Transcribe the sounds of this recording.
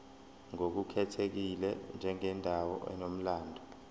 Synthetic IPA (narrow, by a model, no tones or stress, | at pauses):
ŋok̬ukʰɛtʰek̬ilɛnd͡ʒʱɛŋɛndʱawɔ̰ɛ̰nom̩laːndʱɔ